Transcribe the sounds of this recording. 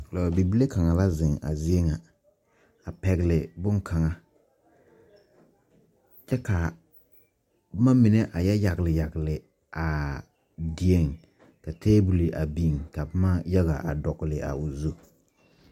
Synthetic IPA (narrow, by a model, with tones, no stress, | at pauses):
la˨bi˨bi˦le˦ka˨ŋa˨la˦zɪ˨ŋa̰˨zɪ˦e˦ŋa˨ | a˨pɛ˨ɣɪ˨lɪ˨bʊ˦ŋ˦kʰa˨ŋa˦ | t͡ʃɛ˦ka˨ | bma˦mɪ˨ne˦ʔa˨jɛ˦ja˨ɡɪ˨lɪ˨ja˨ɡɪ˨lɪ˨ | ʔa˨ | di˨e˦˨ŋ | ka˨tʰeː˦bu˨li˨ʔa˨bi˨ŋka˨bma˦ja˦ɣa̰˨ʔa˨dɔ˨ɣɪ˨lɪ˨ʔa̰˨ʊ˨zu˦